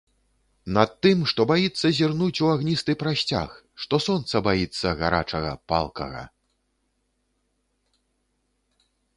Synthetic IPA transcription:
nɐt̪ːɨmʂt̪ɔbajit̪sːɐzʲirnut͡sʲuaɣnʲist̪ɨpɾasʲt͡sʲa̰x | ʂt̪ɔsɔnt̪sɐbajit̪sːɐɣa̰ɾa̰t͡ʂɐɣɐ̰pa̰lˠkɐ̰ɣɐ̰

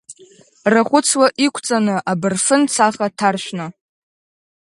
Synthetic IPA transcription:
raχʷʊt͡sʰwaʔikʷʰt͡sʼanɨʔabɨrfɨnt͡sʰaχatʰarʃʷᶣna

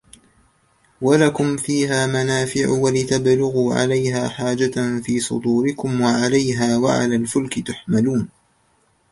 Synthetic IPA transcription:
walakʊmfiːɦaːmanaːfɪʕʊwalɪt̪ablʊɣuːʕa̰lajɦaːħaːd͡ʒanfiːsˤʊ̰d̪ˤuːɾɪkʊmwaʕalajɦaːwaʕa̰laːlfʊlkɪt̪aħmaluːn

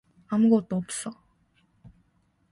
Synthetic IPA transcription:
amuɡʌt̚t͈oʌp̚s͈ʌ

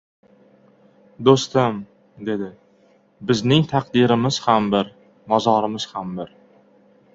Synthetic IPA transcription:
d̪ost̪ɪm | d̪e̞d̪ɪ | bɪznɪŋt̪ʰaqd̪iɾɪmɪz̥hambɪɾ | mɒzɒɾɪmɪz̥hambɪɾ

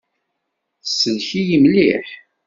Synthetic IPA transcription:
θsːənçijimliħ

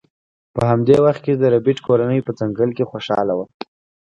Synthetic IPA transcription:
pəɦamd̪ewaxt̪̚ked̪əɾabiʈkoɾanəjpəd͡zaŋɡəlkexoʃɑ̰lawa

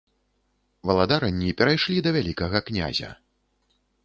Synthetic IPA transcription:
vɐlˠad̪aɾɐnʲːipʲɛɾajʂlʲid̪ɐvʲalʲikɐɣɐknʲa̰zʲɐ̰

